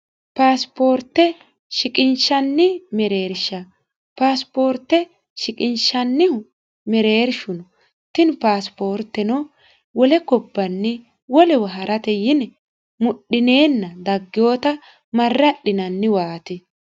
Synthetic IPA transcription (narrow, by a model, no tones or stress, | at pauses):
paːspo̞ːɾt̪ːɛ | ʃɪkʼɪnʃɐnːɪmɛɾe̞ːɾʃɐ | paːspoːɾt̪ːɛ | ʃɪkʼɪnʃɐnːɪ | mɛɾe̞ːɾʃʊnɔ | t̪ɪnpaːspo̞ːɾt̪ːɛnɔ | wɔlɛkɔbːɐnːɪ | wɔlɛwɐɦɐɾʔɐt̪ɛjɪnɛ | mʊɗːɪne̞ːnːɐd̪ɐɡːɪjo̞ːt̪ɐ | mɐrːɐɗɪnɐnːɪwaːt̪ɪ